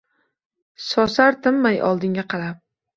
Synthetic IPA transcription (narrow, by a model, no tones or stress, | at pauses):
sɒsaɾt̪ʰɪmːajʔɒ̰lˠd̪ɪŋɡʲaqʰɑlap̚